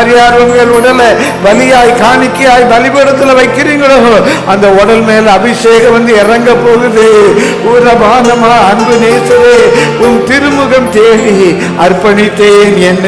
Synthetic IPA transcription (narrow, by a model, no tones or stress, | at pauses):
ɾjaːɾʋɐŋɡɐɭɔɽɐlɐ | bɐlɪjaːjkaːɳɪkːɪjaːjbɐlɪbeːɽɐt̪ːɪlɐʋɐɪkːɪriːŋɡɐɭoː | ɐnd̪ɐɔɽɐlmeːlɐbɪʂeːɣɐʋɐnd̪ɯɪrɐŋɡɐpːoːɣɯðeː | uːɾɐbaːnɐmaːɐnbɯneːsɐʋeːʊmt̪ɪɾɯmʊɣɐmt̪eːɽi | ɐɾpɐɳɪt̪ːeːnɛnː